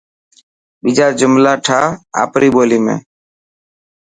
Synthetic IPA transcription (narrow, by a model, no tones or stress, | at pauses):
ɓɪd͡ʒaːɾd͡ʒʊmlaːʈʰaːa̰ːpɾiːɓoːliːmḛ̃ː